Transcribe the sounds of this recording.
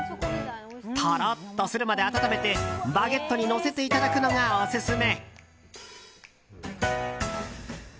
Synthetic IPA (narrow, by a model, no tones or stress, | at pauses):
t̪ʰaɾat̪ːosɨɾɯ̟mad̪e̞at̪at̪ame̞t̪e̞baɡe̞t̪ːo̞ɲ̟ino̞se̞t̪e̞it̪ad̪akɯ̟no̞ŋaosɨsɨme̞